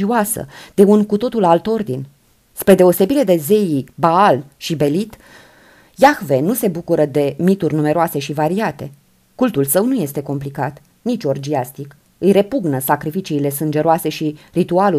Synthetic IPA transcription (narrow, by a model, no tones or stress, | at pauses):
ioasə̰d̪̥e̞unkut̪o̞t̪ulalt̪o̞rd̪in | spɾe̞d̪e̞o̞se̞biɾe̞d̪e̞ze̞jibaalʃibe̞lit̪ | jaxve̞nuse̞bukuɾəd̪e̞mit̪urʲnume̞ɾoase̞ʃivaɾiat̪e̞̰ | kult̪ulsəwnuje̞st̪e̞ko̞mplikat̪ | nit͡ʃʲo̞rd͡ʒiast̪ik | ɨjre̞puɡnəsakɾifit͡ʃiːle̞sɨnd͡ʒe̞ɾoase̞ʃirit̪ualu